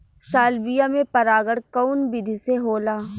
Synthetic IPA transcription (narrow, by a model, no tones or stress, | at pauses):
saːlbijamẽpɐɾaːɡəɽkɔnbɪd̪ʱiseɦoːlaː